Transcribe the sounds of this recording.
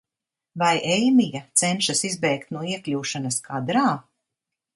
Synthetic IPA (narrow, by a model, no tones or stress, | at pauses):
vajɛjmijat̪sɛnʃasizbɛjkt̪nuɔiɛklʲuːʃanɐskʰaːd̪ɾaː